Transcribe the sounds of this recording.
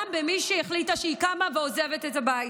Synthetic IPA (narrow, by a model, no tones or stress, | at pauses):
mbemiʃeiχlitaʃeikamaveozevet̪etabaj